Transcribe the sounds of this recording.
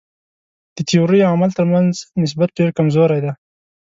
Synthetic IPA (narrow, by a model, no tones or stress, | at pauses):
d̪̥ət̪ijoɾijamalt̪əɾmanznɪs̬bat̪̚ɖeɾkamzoɾajd̪a